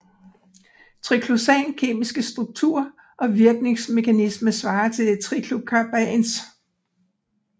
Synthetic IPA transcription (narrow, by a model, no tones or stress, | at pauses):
t͡sʰʁikʰlosɛnkʰe̝̰ːmisɡ̥əsd̥ʁuɡ̥̚t͡sʰṵɐ̰ | ʔɒ̽ʋiɐɡ̥ne̝ŋsme̝kʰænisməsʋɑ̈ːɐt͡sʰe̝t͡sʰʁikʰlub̚kʰɑb̥æns